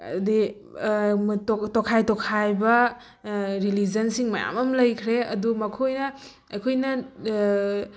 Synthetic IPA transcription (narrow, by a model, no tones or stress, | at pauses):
di | tɔkʰajtɔkʰajbɐ | ɾilid͡ʒɐnsiŋmɐja̰mɐmlɐjkʰɾeɐ̰dumɐkʰojnɐ | ɐkʰojnɐ